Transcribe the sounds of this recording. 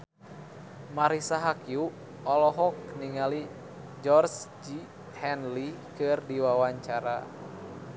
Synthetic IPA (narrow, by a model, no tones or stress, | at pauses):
maɾisaɦakju | ɔlɔɦɔk̚niŋali | d͡ʒɔrsd͡ʒi | hɛnlikɨrdiwawaɲt͡ʃaɾa̰